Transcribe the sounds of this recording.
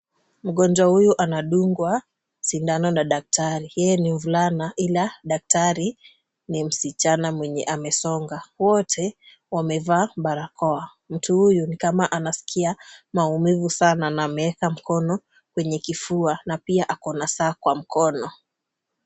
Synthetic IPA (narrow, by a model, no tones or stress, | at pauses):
m̩ɠɔnd͡ʒwahujuʔanaɗuŋɡwa | sindanɔnaɗak̚taɾijɛjɛniɱvulanaʔilaɗak̚taɾi | nim̩sit͡ʃanamwɛɲɛ̰ʔamɛsɔŋɡawɔtʰɛ | wamɛvaːɓaɾakɔa | m̩tuhujunikamaʔanasi̥kʰiamaumivusananaːmɛɛkam̩kɔnɔ | kwɛɲɛkifuanapiaʔakɔnasaːkwam̩kɔnɔ